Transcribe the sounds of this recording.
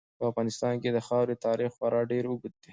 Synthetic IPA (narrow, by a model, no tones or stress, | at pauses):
pəafɣɑnɪst̪ɑnked̪əxɑwɾet̪ɑɾixxwaɾʔɑɖeɾuɡut̪̚d̪e